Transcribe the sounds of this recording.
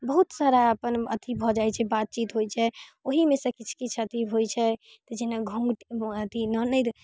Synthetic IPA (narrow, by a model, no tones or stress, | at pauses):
bəɦut̪saɾaəpənət̪ʰibʱɔd͡ʒajt͡ʃʰɛbat̪̚t͡ʃit̪ɦojt͡ʃʰɛoɦimesə̃kit͡ʃʰkit͡ʃʰət̪iɦojt͡ʃʰɛ | t̪ɔd͡ʒinaɡʱũŋɡʈət̪inɔnəjt̪